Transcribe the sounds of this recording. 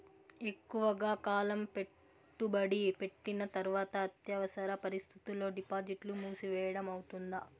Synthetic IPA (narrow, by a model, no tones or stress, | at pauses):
e̞kːuʋɐɡaːkaːlɐmpe̞ | ʈːubɐɽipe̞ʈːinɐt̪ɐɾʋaːt̪ɐːt̪jɐʋɐsɐɾɐpɐɾist̪ʰit̪ilo̞ːɖipaːd͡ʒiʈlumuːsiʋɛːjɐɽɐmɐwut̪und̪ɐ